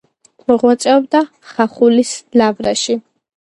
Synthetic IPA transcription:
mɔʁwat̪sʼɛɔbd̪a | χaχulislavɾaʃi

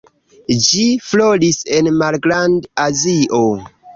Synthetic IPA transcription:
d͡ʒiflo̞lise̞nmalɡɾandaziʔo

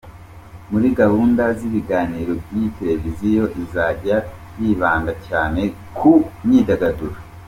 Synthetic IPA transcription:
muɾiɡahuːndaziβiɡaːniːɾo̞bjite̞ɾe̞vizijo̞ʔizaːɟa | jiːβaːŋɡacaːne̞ | kʰuɲiːdaɡaduɾa

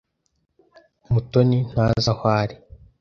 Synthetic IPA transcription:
mutonin̥hazahwaːɾi

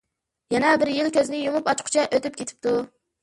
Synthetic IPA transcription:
jɛnɛbɪɾjɪlkʲøzɪnɪjumupɑt͡ʃqʰʊ̥t͡ʃʰɛʔøt̪yp̚kʲet̪ʰɪ̥p̚t̪ʰu

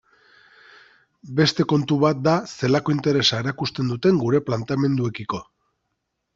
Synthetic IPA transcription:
be̞st̪e̞ko̞nt̪uβat̪̚d̪ase̞lako̞int̪e̞ɾe̞sae̞ɾakust̪e̞nd̪ut̪e̞ŋɡuɾe̞plant̪ame̞nd̪ue̞kiko̞

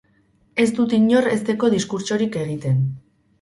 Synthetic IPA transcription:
e̞st̪ut̪iɲo̞ɾe̞st̪e̞ko̞ðiskuɾt͡ʃo̞ɾike̞ɣit̪e̞n

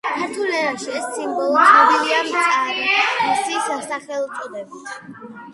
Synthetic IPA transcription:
kʰaɾt̪ʰulɛɾaʃiɛsːimbɔlˠɔsɔd̪iliamɔst̪ʼaɾiisisasaχɛlˠut̪sʼɔd̪ɛbit̪ʰ

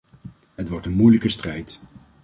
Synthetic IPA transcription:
ɦətʋɔɹtənmujləkəstrɛjt

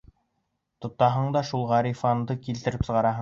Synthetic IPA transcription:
t̪ŏt̪ːɑɦɤɴd̪ɑʃulˠʁɑɾʲifɑnd̪ɤkilt̪ɘ̆ɾɘpsɤ̆ʁɑɾɑɦɤ

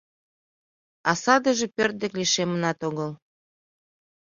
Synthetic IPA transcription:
ɑsɑd̪əʒĕpørt̪̚d̪ĕkliʃemə̆nɑt̪oɣɤl

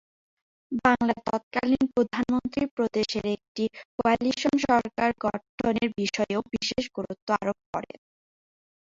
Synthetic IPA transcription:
baŋlat̪ɔ̰t̪̚kalinpɾod̪ʱanmont̪ɾipɾod̪eʃeɾek̚ʈikoaliʃonʃɔɾkaɾɡɔʈʰoneɾbiʃɔeobiʃeʃɡoɾut̪ːoa̰ɾob̚kɔ̰ɾḛn

